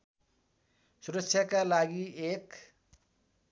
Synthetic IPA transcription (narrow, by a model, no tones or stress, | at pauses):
suɾʌksʰjʌkalaɡiek